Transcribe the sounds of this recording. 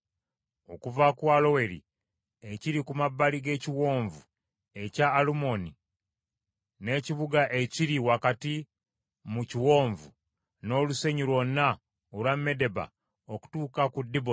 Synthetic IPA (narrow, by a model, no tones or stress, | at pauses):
o̞̰kuvakwalo̞we̞ɾḭ | eciɾikumabːaliɡe̞ːciwo̞ːɱvu | e̞caːlumo̞ni | ne̞ciβuɡaʔeciɾiwakati | muciwo̞ːɱvu | no̞ːluse̞ɲuɾwo̞nːa | olwamːe̞de̞ba̰ | oku̥tuːkakudːibo